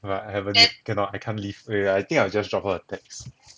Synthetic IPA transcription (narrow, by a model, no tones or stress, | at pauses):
batahɛvə̃nɛtkʰɛ̃nɔtajkʰãnlivɛajt̪ĩŋkaɪwd͡ʒasdɹɔpəətʰɛks